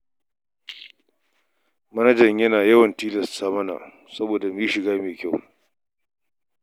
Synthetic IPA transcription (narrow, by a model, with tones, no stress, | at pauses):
mɐ˦nɐ˦d͡ʒɐ˨ɲjɐ˦naː˨jɐ˦wɐ˨ntiː˦lɐ˨stːaː˦mɐ˦na̰˨ | sɐ˦boː˨da˨miː˦ʃɪ˨ɡaː˦meː˨kʲa˦˨w